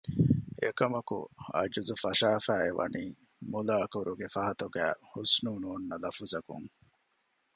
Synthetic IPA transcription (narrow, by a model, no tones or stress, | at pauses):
ekɐmɐkṵɐ̰d͡ʒuzufɐʃaːfæːeʋɐ̰niː | mulaːkuɾʔuɡefɐɦɐt̪uɡæːhusnuːnuːnːɐlɐfuzɐkṵŋ